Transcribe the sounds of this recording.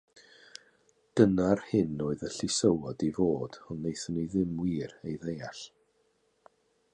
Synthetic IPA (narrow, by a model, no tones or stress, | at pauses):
d̥ənarhɪnoːɨðəɬisəwɔdivoːd̥ɔnːejθəniðɪmwiːrejðejaɬ